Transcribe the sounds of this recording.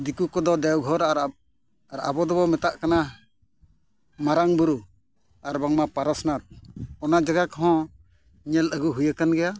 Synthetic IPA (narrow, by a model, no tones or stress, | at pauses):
d̪ikukɔd̪ɔd̪ɛwɡʱɔɾa | aɾa̰bɔd̪ɔbɔmɛt̪aʔkana | maɾaŋbuɾu | aɾbaŋmapaɾɔsnat̪̚ɔnad͡ʒaɡakɔɦɔ̃ | ɲɛləɡuɦujakanɡɛja